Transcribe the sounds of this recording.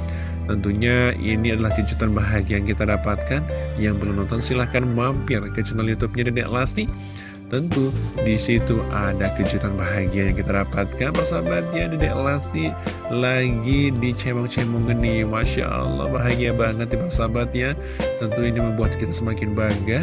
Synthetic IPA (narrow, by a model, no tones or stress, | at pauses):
t̪ənt̪uɲaḭniadalahkəd͡ʒut̪anbaɦaɡiajaŋkit̪adapat̪̚kanjaŋbəlunɔ̃nt̪ɔnsilahkanmampɪrkət͡ʃənaljut̪up̚ɲadidɛʔlast̪i | t̪ənt̪udisit̪uʔadakəd͡ʒut̪anbaɦaɡiajaŋkit̪adapat̪̚kanbərsabat̪̚jadidɛʔlast̪i | laɡidit͡ʃemɔŋt͡ʃemɔŋənːimaʃa̰ʔə̰lˠːɔ̰hbaɦaɡiabaŋət̪̚dipərsabat̪ja | t̪ənt̪uiniməmbuat̪kit̪asəmakɪnbaɡa